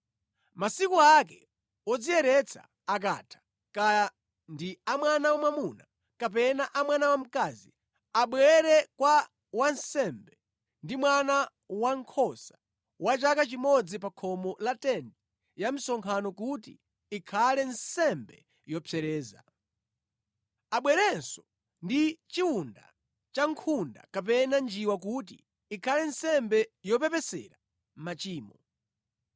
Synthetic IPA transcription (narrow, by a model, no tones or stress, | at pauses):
masikuakɛ | ɔd͡zijɛɾɛt͡sʰa̰ːk̬a̰tʰḁ | ka | ndiamwanawamamuna | kap̬ɛnaʔamwanawam̩kazḭ | aɓwɛɾɛkwa | wansɛmbɛ | ndimwana | waŋkʰɔsḁ | wat͡ʃakat͡ʃimɔd͡zipakʰɔmɔlatɛndɛ | jam̩sɔŋkʰanɔkutḭ | ikʰalɛnsɛmbɛ | jɔpʰɛɾɛːza̰ | aɓwɛɾɛnsɔ̥ | ndit͡ʃiwunda̰ | t͡ʃaŋkʰunda̰kapɛnand͡ʒiwak̬ut̬iː | kʰalɛnsɛmbɛjɔpɛpɛsɛ̰ɾa | m̩mat͡ʃiːmɔ